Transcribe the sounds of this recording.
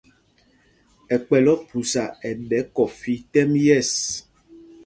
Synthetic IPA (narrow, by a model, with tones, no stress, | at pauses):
ɛ˨k͡pɛ˨lɔ˦pu˨sa˨ɛ˨ɖɛ˨˦kɔ˨fi˨t̪ɛ˦mjɛ˦˨s